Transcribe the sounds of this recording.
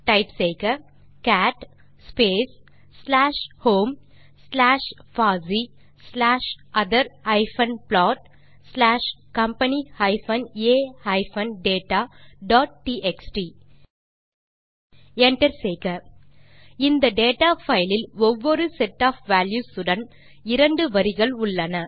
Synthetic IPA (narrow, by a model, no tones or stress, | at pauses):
ʈaɪpseːkə | kæːʈ | speːs | sːlæːʃhõːm | slæːʃfaːzi | slæːʃʔɐd̪əɾaɪfɐ̃nplɔːʈ̚ | slæːʃkɐ̃mpɐnihaɪfɐ̃neːhɐɪfɐnɖeːʈaːɖɔːʈ̚ʈiːʔeksʈi | ɛɳʈɐɾseːkɐ | ɪnd̪ɐɖeːʈaːfɐɪlɪlɔʋːɔɾɯsɛʈːaːfʋæːljuːsʊɽɐn | ɪɾɐɳɖɯʋɐɾɪɣɐɭʊɭːɐnɐ